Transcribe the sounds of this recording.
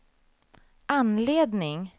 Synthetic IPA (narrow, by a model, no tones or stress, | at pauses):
ʔanleːd̪nɪŋ